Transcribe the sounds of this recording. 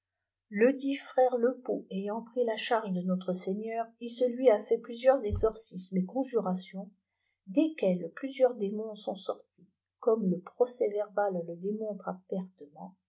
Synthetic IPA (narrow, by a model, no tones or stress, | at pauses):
ləd̪ifχɛʁləpoejɑ̃pχilaʃaʁʒəd̪ənɔt̪χəseɲœʁisəlɥiafɛplyzjœʁzɛɡzɔʁsismekɔ̃ʒyʁasjɔ̃ | d̪ekʲɛlplyzjœʁd̪emɔ̃sɔ̃sɔʁt̪i | kɔmləpχɔsɛvɛʁbalːəd̪emɔ̃t̪χapɛʁt̪əmɑ̃